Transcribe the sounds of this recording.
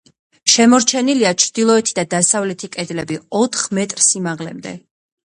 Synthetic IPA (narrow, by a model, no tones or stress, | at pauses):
ʃɛmɔɾt͡ʃʰɛniliat͡ʃʰɾd̪̥ilˠɔɛt̪ʰid̪ad̪asavlɛt̪ʰikʼɛd̪lɛbiɔt̪ʰχmɛt̪ʼɾsimaʁlɛ̰md̪ɛ̰